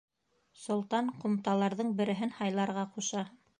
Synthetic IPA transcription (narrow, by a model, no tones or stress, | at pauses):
sŏlˠt̪ɑɴqŭmt̪ɑlˠɑɾðɤɴbɘ̆ɾɘ̆ɦɘnhɑjlˠɑɾʁɑquʃɑ